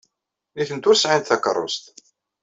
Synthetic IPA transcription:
iθənt̪ʊɾsʕant̪θɑkə̰ɾˤːo̰st̪

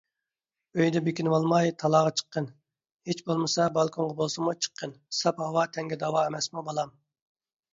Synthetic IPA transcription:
øjd̪ɛbekʲinɨwɑlˠmɑjt̪ʰɑlˠɑːʁɑt͡ʃʰə̥qːən | het͡ʃbolˠmɨsɑbɑlˠkʰoɴʁɑbolˠsɨmut͡ʃʰə̥qʰːənsɑphɑwɑt̪ʰɛŋɡʲɛd̪ɑwɑemɛsmubɑlˠɑm

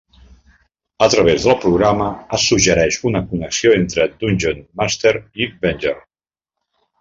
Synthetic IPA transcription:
ət̪ɾəβ̞ezðəlˠpɾuɣ̞ɾaməəsuʒəɾɛʃunəkunəksioent̪ɾəd̪unʲʒonmast̪eɾibɛnʲd͡ʒeɾ

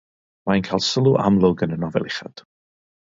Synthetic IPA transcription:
mainkʰaːlˠsəlˠuʔa̰mlˠʊɡənənɔvɛ̰lˠɪχa̰d̥

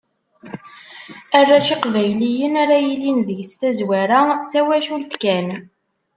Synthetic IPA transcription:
ærːaʃiqvæjlijənaɾajilinðəʝst̪æzwæɾat͡sːæwæʃulθkæn

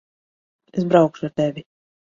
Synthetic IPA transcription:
esbɾawkʃuaɾt̪evʲi

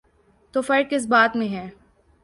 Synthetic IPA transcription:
t̪oːfɐɾkɪs̬baːt̪mẽɦɛ̃ː

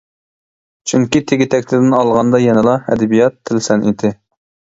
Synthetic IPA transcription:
t͡ʃʰyŋkʲit̪ʰeɡʲit̪ʰɛkʲlɪd̪ɪnɑlˠʁɑnd̪ɑjɛnɨlˠɑɛ̰d̪ɛbijɑt̪ʰːɪlsɛnʔid̪ɪ

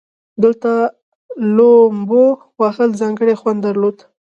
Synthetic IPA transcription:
d̪əlt̪a | lombo | wɑxəlzɑŋɡəɽexwand̪aɾlod̪

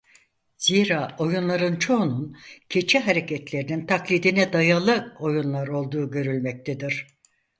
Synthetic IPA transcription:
z̥iːɾaːo̞junlˠaɾɯnt͡ʃʰo̞nuncʰe̞t͡ʃʰiɦaɾecʰɛt̪lʲe̞ɾinint̪ʰaklʲid̪inɛd̪ajalˠɯo̞junlˠaɾo̞lˠd̪uːɟø̞ɾylʲmɛc̚t̪ʰed̪iɾ̥

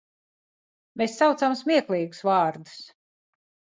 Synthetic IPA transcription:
mesːawt̪samsmʲiɛklˠiːɡu̥svaːɾd̪u̥s

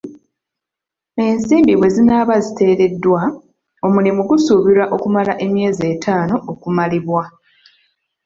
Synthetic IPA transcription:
e̞nsiːmbiβwe̞zinaβazite̞ːɾe̞dːwa | o̞mulimuɡusuːβiɾaʔo̞kumalaʔe̞mje̞ːze̞ːtʰaːno̞ʔːkumaliβwa

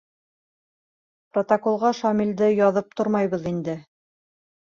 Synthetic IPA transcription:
prot̪ɐkolˠʁɑʃɑmilʲd̪ɘjɑðɤp̚t̪oɾmɑjβɤðind̪ɘ

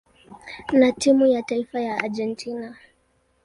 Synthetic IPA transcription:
natimujataifajaad͡ʒɛntʰina

